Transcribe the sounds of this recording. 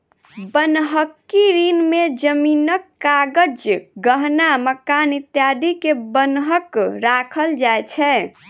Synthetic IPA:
bənɦəkːiɾinmed͡ʒəminəkːaɡəd͡ʒɡəɦnaməkanit̪jad̪ikebənɦəkɾakʰəld͡ʒajt͡ʃʰɛ

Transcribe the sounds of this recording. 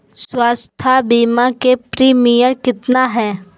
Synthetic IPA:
swaːst̪ʰabimakepɾiːmijəɾkɪt̪naɦɛː

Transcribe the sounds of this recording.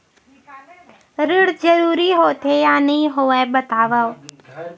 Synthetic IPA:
ɾɪɽd͡ʒəɾuːɾiːɦot̪ʰejaːniɦoːeɓət̪aːʋəw

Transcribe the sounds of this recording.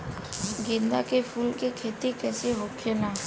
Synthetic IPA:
ɡɪ̃nd̪akepʰuːlkikʰeːt̪ikɛːseɦokʰenaː

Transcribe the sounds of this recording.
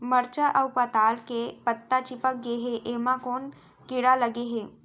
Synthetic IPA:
məɾt͡ʃaʔəwpat̪aːlkepət̪ːat͡ʃipək̚ɡeɦeʔemãkoːn | kiɽaləɡeɦe

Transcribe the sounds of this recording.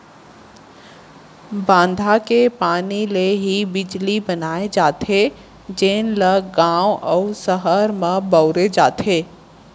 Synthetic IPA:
bãːnd̪ʱakepaːnileɦibɪd͡ʒlibənaːed͡ʒaːt̪ʰe | d͡ʒeːnləɡãːwɔʊsəɦəɾmə̃bəʊɾed͡ʒaːt̪ʰeː

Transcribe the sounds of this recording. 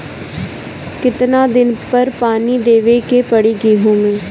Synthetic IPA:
kɪt̪nãːd̪ɪnpəɾpaːniːd̪eːʋeːkeːpəɽiːɡiːɦũːmẽː

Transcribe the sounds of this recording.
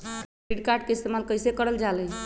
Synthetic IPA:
k | iʈkaɾɖ̚keist̪emalkəjsekəɾəld͡ʒalə

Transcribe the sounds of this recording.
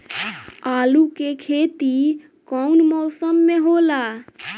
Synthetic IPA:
alukekʰet̪i | kɔunmɔsəmːeɦola

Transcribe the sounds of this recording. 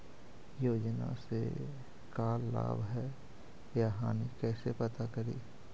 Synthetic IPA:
joːd͡ʒnã̰se | kaːlːa̰ːbɦɛː | jaɦa̰ːnikɛːsepət̪akəɾḭː

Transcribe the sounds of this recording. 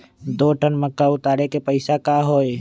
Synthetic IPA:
d̪oːʈənməkːaʊt̪aːɾekepəɪsakaːɦoːe

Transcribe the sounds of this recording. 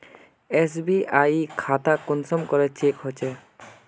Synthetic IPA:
es̬biʔajikʰat̪akunsɔmkɔɾet͡ɕekɦojt͡ʃʰe

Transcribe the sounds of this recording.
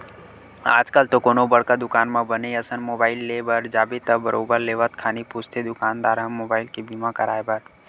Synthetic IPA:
aːd͡ʒkalt̪okoːnobəɽkad̪ʊkaːnmãbəneəsənmoːbaːɪlːeːbəɾd͡ʒaːbet̪əbəɾʔoːbəɾleːʋət̪kʰaːnipust̪ʰed̪ʊkaːnd̪aːɾɦə̃mːoːbaːɪlkibimãkəɾa̰ːebəɾ

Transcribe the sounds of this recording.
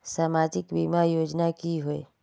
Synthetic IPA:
samaːd͡ʒɪkbimajoːd͡ʒnakiɦoe

